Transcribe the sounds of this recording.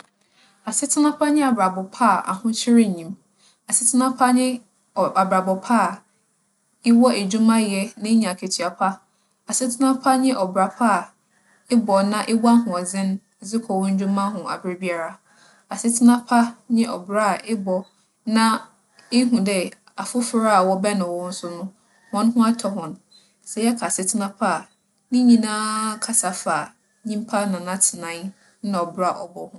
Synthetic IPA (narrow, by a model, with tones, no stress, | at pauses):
a˨sɪ˦tʰɪ˦nã˦pʰa˦ɲɪ̃˦a˨bɾa˨bɔ˨pʰa˦˨a̰˨hʊ̃˦t͡ɕʰɪ˦ɾɪ˦˨ɲĩ˨m | a˨sɪ˦tʰɪ˦nã˦pʰa˦ɲɪ̃˦ | a˨bɾa˨bɔ˨pʰa˦˨ | ɪ˦wɔ˦e˨d͡ʑᶣu˦mã˦jɛ˦nɪ̃˦ɲã˨kʰe˨tʰi˨a˨pʰa˦ | a˨sɪ˦tʰɪ˦nã˦pʰa˦ɲɪ̃˦ʔɔ˨bɾa˨pʰa˦˨ | ɪ˦bɔ˨nã˦ʔɪ˦wa˦ɦʊ̃˨ɔ˨d͡zɪ̃˦n˦ | zɪ˦kʰɔ˨wʊ̃˦n̩˦d͡ʑᶣũ˦mã˦ɦʊ̃˨a̰˨bɾɪ˦bi˦a˦ɾa˦ | a˨sɪ˦tʰɪ˦nã˦pʰa˦ɲɪ̃˦ʔɔ̰˨bɾa˦˨ʔɪ˦bɔ˨ | nã˦ | ɪ˦ɦũ˨dɛ˦˨ | a˨fʊ˦fɾa˦a˨wɔ˦bɛ˦nʊ̃˨wɔ˦n̩˦sʊ˦nʊ̃˦ | hɔ̃˦n˦ɦʊ̃˦a˦tʰɔ˨ɦʊ̃˨n˨ | sɛ˨jɛ˦kʰa˨sɪ˨tʰɪ˦nã˦pʰa˦˨ | nɪ̃˦ɲĩ˦nãː˦kʰa˨sa˨fa˨ | ɲĩ˦m˦pʰa˦nã˨nã˦tʰɪ˨nã˨˦ | nã˨ɔ˨bɾa˨ʔɔ̰˨bɔ˨hʊ̃˦